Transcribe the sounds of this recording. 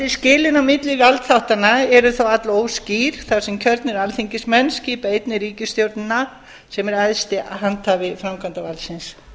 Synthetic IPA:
ɪscɪːlɪnawmɪt̪lɪvalt̪θawht̪anaɛɾʏθawat̪loːwsciɾ̥θawsɛmcʰœɾt̪nɪɾalθiɲcɪsmɛnːsciːpaejt̪nɪɾiːcɪst̪jowɾt̪nɪna | sɛmɛɾaðst̪ɪaɦant̪havɪfɾamkʰant̪avalsɪns

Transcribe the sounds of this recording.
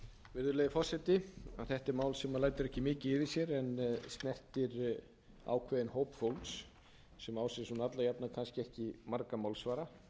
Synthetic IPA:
vɪɾðʏleːðɪfɔr̥sɛt̪ɪa̰θɛht̪ɛɾmaːwlsɛmaðlaːjt̪ɪɾɛhcɪmɪːcɪɪvɪsjɛɾɛnst̪nɛr̥t̪ɪɾ | a̰ːwkʰvɛːðɪnhoːwpfowlks | sɛmaːwsɛsunat̪lajapnakʰanscɪɛhcɪmaɾkamawlsvaːɾa

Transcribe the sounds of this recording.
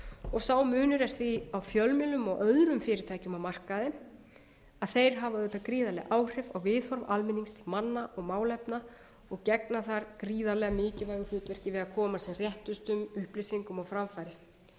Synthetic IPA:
ɔɣsawmʏːnʏɾɛɾ̥θviawfjœlmɪlʏmɔɣʔœðɾʏmfɪːɾɪt̪ʰaːjcʏmawmar̥kaðɪ | aðθejɾ̥ɦavaðʏp̪akɾiːðalɛɣʔaːwr̥ɪvawvɪːðhɔɾva̰lmɪniŋst̪ʰɪlmanːaʔɔɣmaːwlɛpna | ɔɣcɛknaθaɾkɾiːðalɛɣamɪːcɪvajɣʏ̥l̥ʏːt̪vɛɾ̥cɪvɪðaðkʰɔːmasɛmr̥jɛht̪ʏst̪ʏmʏhplɪsiŋkʏmɔwfɾamfajɾɪ

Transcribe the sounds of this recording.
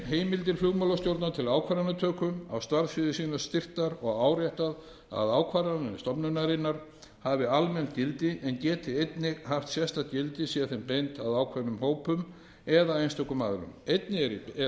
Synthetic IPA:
ɦeːjmɪlt̪̬ɪɾfluɣmalast̪jowɾt̪naɾt̪ʰɪlaːwkʰvaːɾanat̪ʰœːkʏa̰wst̪vaɾfɪðɪsiːnḁst̪ɪr̥t̪aɾɔɣaːwɾjɛht̪að | a̰ðaːwkʰvaːɾanɪnst̪ɔpnʏnaɾɪnːaɾ̥ | havɪalmɛncɪlt̪ɪʔɛncɛːt̪ɪejt̪nɪhaft̪sjɛst̪acɪlt̪ɪsiaθɛmpejnt̪aðaːwkʰvaɾnʏmhoːwpʏm | ɛðaejnst̪ʰœːkʏmaːðɾʏ̰mejt̪nɪɾ

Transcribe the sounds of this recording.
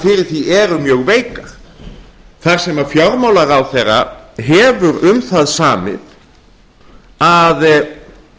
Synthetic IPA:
fɪɾɪɾ̥θiɛɾʏmjœːɣveːjkaɾ̥ | θar̥sɛmafjɔɾmowlaɾawθerːa̰ɦɛvʏɾʏmθaðsaːmɪ̰ð | að

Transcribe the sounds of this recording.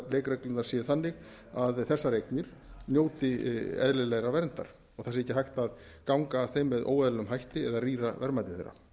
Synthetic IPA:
lejkɾɛklɪnaɾ̥sjɛθanːɪɣ | aðθɛsːaɾejknɪɾ̥ | njoːwt̪ɪɛ̰ðlɪlɛɣɾavɛɾnt̪a̰ɾ̥ | ɔɣθɛsɪɛcːɪɦajht̪að | kawŋkaθejmvɪðʔo̰ːwɛðlɛnʏmɦajht̪ɪɛðaðriːɾavɛɾmajt̪ɪθḛjɾːa̰

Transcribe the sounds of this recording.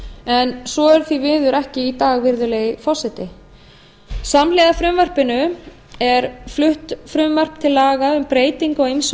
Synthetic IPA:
ɛnsɔɛɾ̥θvivɪːðʏɾɛhcɪːt̪aːɣvɪɾðʏleːjɪfɔ̥sɛt̪ɪ | samlɛðafɾʏmvar̥pɪnʏ | ɛɾflʏht̪fɾʏmvar̥p̚t̪ʰɪlːaːɣaʏmpɾeːjt̪iŋkɔims

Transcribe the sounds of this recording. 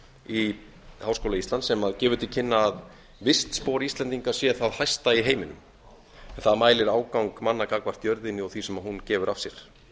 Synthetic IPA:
i | hawskowlaist̪lansɛmaðcɛːvʏt̪ʰɪcʰɪnːaːð | vɪst̪spoːwɾist̪lɛnt̪iŋkḁsjɛθaðhajst̪aiɦeːjmɪnʏ̰m | ɛnθaðmaːjlɪɾaːwkawŋkmanːakakvaɾ̥t̪jœɾðɪnːɪɔɣθisɛmahuncɛːvʏɾafsjɛɾ̥

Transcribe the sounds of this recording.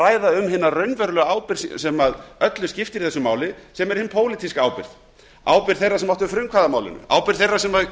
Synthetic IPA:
aːjðaʏmhɪnːarœɥnvœɾlœɣaːwpɪɾ̥ssɛmaðœt̪lʏscɪft̪ɪɾiθɛsʏmaːwlɪsɛmɛɾ̥hɪnpʰoːwlɪt̪iskaaːwpɪɾ̥ð | a̰ːwpɪɾ̥θejrːasɛmɔht̪ʏfɾʏmkʰvaðamaːwlɪ̰nʏ̰ʔa̰ːwpɪɾ̥ðθejrːasɛmað

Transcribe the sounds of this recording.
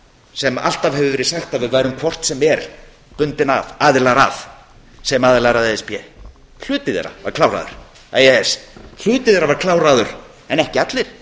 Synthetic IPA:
sɛma̰l̥t̪avhɛvʏvɛːɾɪsaxt̪avɪðvaːjɾʏmkʰvɔr̥t̪sɛmɛɾ | pʏnt̪ɪna̰vaːðɪlaɾa̰f | sɛjɪmaːðɪlaɾaðɛɛspjɛ | l̥ʏːt̪ɪðɛ̰ɾa̰vaɾ̥kʰlawɾa̰ːðʏ̰ɾ̥ | ajɛɛsl̥ʏːt̪ɪðɛɾavaɾkʰlaːwɾaːðʏɾ̥ | ɛnɛhcɪat̪lɪɾ̥

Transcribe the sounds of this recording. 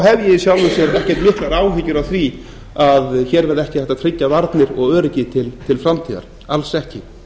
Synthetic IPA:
ɦɛvjɪsjawlvɪsjɛɾɛhcɛɾ̥t̪mɪhklaɾaːwɦɪcʏɾawθvi | aðçɛːɾvɛɾðɛhcɪθɛht̪at̪ʰɾɪcːavaɾt̪nɪɾɔɣœːɾɪcɪt̪ʰɪlt̪ʰɪlfɾamt̪ʰiːða̰ɾ̥ | alsɛhcɪ

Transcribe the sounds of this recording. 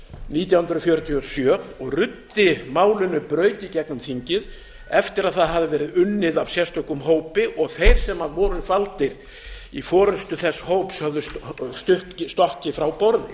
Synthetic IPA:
niːt̪̬jawhʏnd̪ɾʏfjœːɾʏt̪ʰiɔsjœːɔɣrʏt̪ːɪmaːwlʏnʏpɾœːɥt̪icɛknʏmθiɲcɪð | ɛft̪ɪɾaðθaðɦavðɪvɛːɾɪðʏnːɪðavsjɛst̪ɔkʏmɦoːwpɪʔɔɣθejɾ̥sɛmhaðvɔːɾʏfalt̪ɪɾ | ifɔːɾʏst̪ʏθɛsːhoːwpshœvðʏsst̪ʏhtst̪ɔhcɪfɾawpɔɾðɪ̰

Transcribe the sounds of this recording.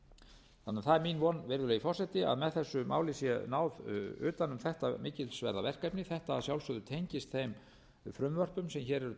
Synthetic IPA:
θanːaθaðɛɾminvɔnvɛɾðʏlɛɣifɔr̥sɛt̪ɪa̰ðmɛðθɛsːʏmʔa̰ːwlɪsjɛnaːwðʏ̰ːt̪anʏmθɛht̪amɪːcɪlsvɛ̰ɾðavɛr̥kajpnɪθɛht̪asjawlsœðʏt̪ʰejɲcɪst̪θejm | fɾʏmvœr̥pʏmsɛmçɛːɾɛɾʏ

